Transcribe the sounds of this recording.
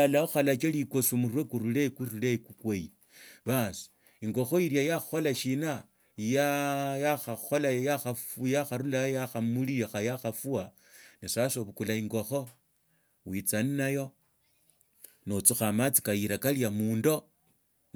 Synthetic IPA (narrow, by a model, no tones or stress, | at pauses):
alaoxalat͡ʃalikosumuwekuɾulekurulekukweji | βasi̥ | iŋɡo̞xo̞iɾjajaxxo̞laʃina | jajaxaxolajaxajaxaɾulajaxamulijaxajaxafua | nisasoβukulaiŋɡo̞xo̞ | wit͡saninajo̞ | not͡suxamat͡si̥kajiɾakaliamuːndo̞